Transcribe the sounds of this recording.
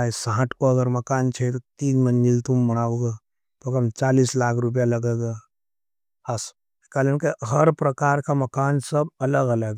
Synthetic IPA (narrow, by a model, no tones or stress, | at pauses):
aesãːʈʰkoɐɡəɾmɐkaːnt͡ʃʰet̪ot̪iːɡmənːilt̪umːɐɽ̃aːoɡe | pokəmt͡ʃaːliːslaːkʰɾʊp̬ijaləɡeɡa | hɐs | kaːlenkeɦɐɾpɾɐkaːɾkamɐkaːnsəbɐləɡɐləɡ